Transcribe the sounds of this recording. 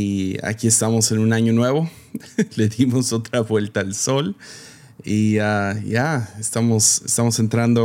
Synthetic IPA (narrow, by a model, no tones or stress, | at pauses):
ia̰kie̞st̪amo̞se̞nunaɲo̞nwe̞βo̞le̞ðimo̞so̞t̪ɾaβwe̞lt̪aːlso̞l | iaʝaest̪amo̞sest̪amose̞nt̪ɾand̪o